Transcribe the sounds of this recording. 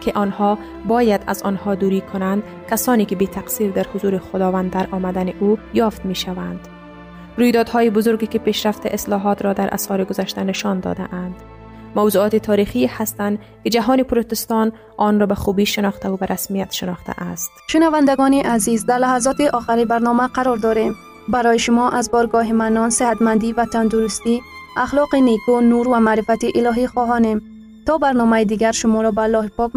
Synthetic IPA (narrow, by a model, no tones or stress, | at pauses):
kʰɪʔɒnhɔ | bɒːjad̪a̰zɔ̰nhɒd̪uːɾiːkʰʊnand̪ | kasɒːniːkɪbet̪ʰaqsiːɾd̪æɾhʊzuːɾiχʊd̪ɒːvænd̪ːaɾʔɒːmad̪æniʔujɒːft̪miʃavænd̪ | ɾujd̪ɒːd̪hɔːjibʊzoɾɡikipeːʃɾaft̪eʔeslɒːɦɒːt̪ɾɔd̪æɾʔa̰shɒːɾiɡozaʃt̪ænɪʃɒnd̪ɒ̰d̪a̰ʔænd̪̥ | mawzuːɒːt̪it̪ʰɒːɾiːxihast̪ænd̪ | kɪd͡ʒaɦɒːnipʊɾot̪ɪst̪ɒn | ɔnɾɔːbaχubiːʃɪnɒχt̪aubaɾʔasmijat̪ʃɪnɒχt̪ʰa̰ʔast̪ʃʊnavand̪aɡɔniʔazizd̪aɾlahazɔt̪iʔɔχaɾibaɾnɔmaqʰaɾɔɾd̪ɔɾe̞m | baɾɔjiʃʊmɔʔazbɔɾɡɔɦimanɔnsɪhat̪mand̪ivat̪ʰand̪uɾust̪iaχlɔqinekunuɾvamaʔɾifat̪iʔilɔɦiχɔɦɔnem | t̪ɔbaɾnɔmaid̪iɡaɾʃʊmɔɾɔbalɔhipɔk